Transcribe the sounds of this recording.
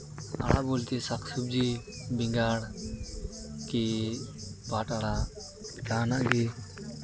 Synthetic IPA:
a̰ɽʔa̰bolt̪isaksub̚d͡ʒibiŋɡaɽ | ki | bʱaʈaɽa | kanaʔɡɛ

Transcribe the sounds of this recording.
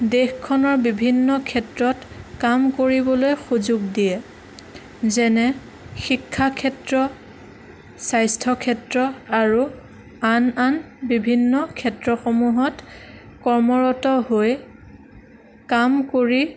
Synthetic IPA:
dexkʰːɔnɔɹbibʱinːɔkʰɛtɹɔt | kamkoɹibɔlojxuzuɡdijɛ | zɛnɛ | xikʰːakʰɛtɹɔ | sajstʰɔkʰɛtɹɔaɹu | ananbibʱinːɔkʰɛtɹɔxomuɦɔtkɔɹmɔɹɔtɔɦoj | kamkoɹi

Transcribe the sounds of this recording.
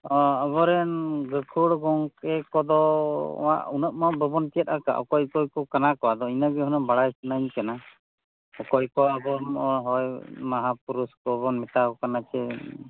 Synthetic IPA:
ɔəβɔɾɛnɡəkʰuɽɡɔŋkɛkɔd̪ɔ̰wa̰ʔunɔʔ̚mabəbɔnkɛt̪ˀaka̰ʔɔ̰kɔjkɔjkɔkanakɔwad̪ɔinaɡɛɦunɔmbaɽajsanaɲkana | ɔkɔjkɔabɔmɔɦɔjmaɦapuɾuskɔβɔnmɛt̪aɡɔkanat͡ʃɛ

